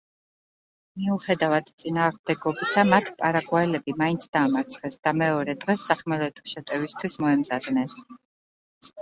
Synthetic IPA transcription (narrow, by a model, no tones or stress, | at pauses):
miuχɛd̪avad̪t̪sʼinaːʁmd̪ɛɡɔbisamat̪ʰi̥pʼaɾaɡwaɛlɛbimaint̪sʰd̪aːmat̪sʰχɛsd̪̥amɛɔɾɛd̪ʁɛsːaχmɛɾɔɛt̪ʰɔ̥ʃɛt̪ʼɛvist̪ʰwismɔɛmzad̪nɛn